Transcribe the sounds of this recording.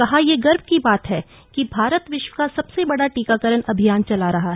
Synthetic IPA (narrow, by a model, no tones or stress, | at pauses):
kɐɦajeɡɐɾb̚ʱkibaːt̪ɦɛ | kibʱaːɾət̪ʋɪʃwəkasɐbsebɐɽaʈiːkakəɾənɐbʱijaːnt͡ʃɐlaɾɐɦaɦɛ